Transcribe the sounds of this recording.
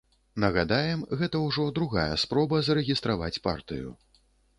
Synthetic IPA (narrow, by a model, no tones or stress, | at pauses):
nɐɣad̪ajɛmɣɛt̪ɐwʐɔd̪ɾuɣajɛ̰spɾɔbɐzɐɾɛɣʲist̪ɾava̰t͡sʲpa̰rt̪ɨ̰jṵ